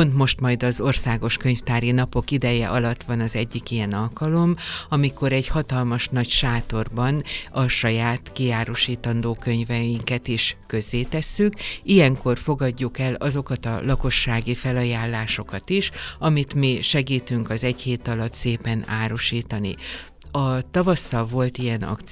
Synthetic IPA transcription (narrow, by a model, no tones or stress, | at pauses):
pont̪mo̞ʃt̪mɒjd̪ɒzo̞rsaːɡo̞ʃkø̞ɲft̪aːɾinɒpo̞kid̪ɛjɛ̰ʔɒlɒt̪ʋɒnɒzɛɟːikijɛnɒlkɒlo̞mɒmiko̞ɾɛɟhɒt̪ɒlmɒʃnɒcʃaːt̪o̞rbɒnɒʃɒjaːt̪kiaːɾo̞ʃiːt̪ɒnd̪oːkø̞ɲvɛjiŋkɛt̪iʃkø̞zːeːt̪ɛsːykijɛŋko̞rfo̞ɡɒɟːukɛlɒzo̞kɒt̪ɒ̰lɒko̞ʃːaːɡifɛlɒjaːlːaːʃo̞kɒt̪iʃɒmit̪miʃɛɡiːt̪yŋkɒzɛɟheːt̪ɒlɒt̪seːpɛnaːɾo̞ʃiːt̪ɒnḭ | ɒt̪ɒvɒsːɒlvo̞lt̪ijɛnɒ̰k̪